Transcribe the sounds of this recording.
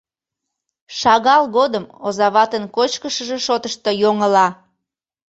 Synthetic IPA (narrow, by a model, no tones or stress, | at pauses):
ʃɑɣɑlɣod̪əmozɑβɑt̪ənkot͡ɕkəʃəʒeʃot̪əʃt̪ojoŋəlɑ